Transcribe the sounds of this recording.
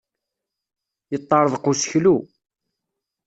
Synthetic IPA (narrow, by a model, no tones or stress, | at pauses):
jət̪ˤːɑɾˤəðˤqusə̥çlu